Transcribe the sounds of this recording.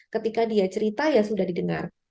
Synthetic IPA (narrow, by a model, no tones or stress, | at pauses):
kət̪ikadiat͡ʃəɾit̪ajasudahdidəŋa̰r